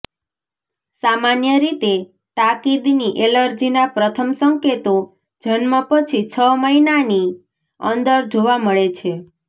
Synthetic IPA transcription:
samanjəɾit̪e | t̪akid̪niʔeləɾd͡ʒinapɾət̪ʰəmsəŋket̪o | d͡ʒənmə̃pət͡ʃʰit͡ʃʰəməinani | ə̰nd̪əɾd͡ʒoʋaməɭet͡ʃʰe

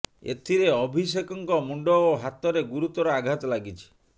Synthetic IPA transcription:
ḛt̪ʰiɾeɔbʱis̬ekɔŋkɔmuɳɖɔoɦat̪ɔɾeɡuɾut̪ɔɾɔaɡʱat̪ɔlaɡit͡ʃʰi̥

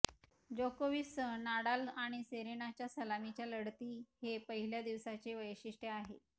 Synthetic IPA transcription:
d͡ʑokoʋisənaɽalaɽ̃iseɾenat͡ɕjasəlamit͡ɕjaləɽt̪iːhepəɦiljad̪iʋsat͡seʋəjɕiʂʈəaɦḛ

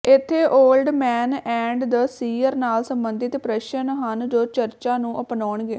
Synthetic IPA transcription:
ɪt̪ʰːeːʔoːlɖmɛːnɛ̃ːɳɖd̪əsiːəɾnaːlsəmbənd̪ɪt̪pɾɛʃənɦənd͡ʒoːt͡ʃəɾt͡ʃaːnũːʔəpnɔːɳɡeː

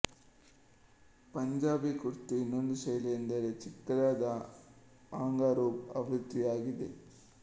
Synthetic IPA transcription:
pɐɲd͡ʒaːbekuɾit̪ːuinːond̪usɐjlɐend̪ɐɾet͡ʃikːɐɽaːd̪ɐ | aːŋɡaːɾoːbɐʋɾud̪ːijaːɡid̪e

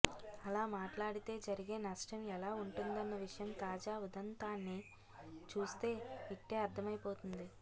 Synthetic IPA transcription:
ɐlaːmaːʈlaːɽit̪e̞ːd͡ʒɐɾiɡe̞ːnɐsʈɐmɛlaːuɳʈund̪ɐnːɐʋiʂɐjɐmt̪aːd͡ʒaːud̪ɐnt̪aːnːi | t͡ʃuːst̪e̞ːiʈːeːɐɾt̪ʰɐmɐjpo̞ːt̪und̪i

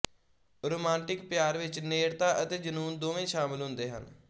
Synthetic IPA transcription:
ɾoːmãːɳʈɪkpɪjaːɾʋɪt͡ʃneːɾt̪aːʔət̪eːd͡ʒənuːnd̪oːʋẽːʃaːmɪlɦʊ̃nd̪eːɦə̰n

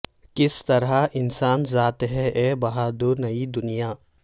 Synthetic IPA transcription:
kɪst̪ɐɾɦaʔɪnsaːnzaːt̪ɦɛʔɛːbɐɦaːd̪onɐid̪ʊnijaː

